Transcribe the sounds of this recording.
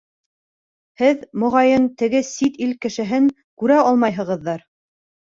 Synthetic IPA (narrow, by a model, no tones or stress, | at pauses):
hɘðmŏʁɑjɤnt̪ɘ̆ɡɘsit̪ilkɘ̆ʃɘ̆ɦɘŋ | kʉɾæɑlˠmɑjɦɤ̆ʁɤ̆ðːɑɾ